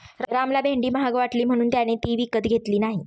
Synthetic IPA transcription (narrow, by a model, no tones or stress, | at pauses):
ɾɾamlabʱeɳɖiːməɦaɡʋaʈliːm̤əɽ̃uːnt̪janet̪iːʋikət̪ɡʱet̪liːnaɦi